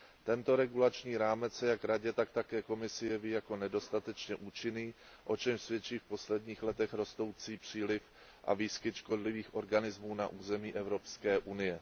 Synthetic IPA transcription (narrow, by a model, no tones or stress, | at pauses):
t̪ɛnt̪o̞ɾɛɡulat͡ʃɲiːɾaːmɛt͡sjakɾaɟɛt̪ak̚t̪akɛːko̞mɪsɪjɛviːjako̞nɛdo̞st̪at̪ɛt͡ʃɲɛʔuːt͡ʃɪniː | ʔo̞t͡ʃɛmsvjɛt͡ʃiːfposlɛdɲiːxlɛt̪ɛxɾo̞st̪o̞wt͡siːpr̝̥iːlɪf | ʔa̰viːskɪt̪ʃko̞dlɪviːxʔo̞ɾɡanɪzmuːna̰ʔuːzɛmiːʔɛvɾo̞pskɛːʔunɪjɛ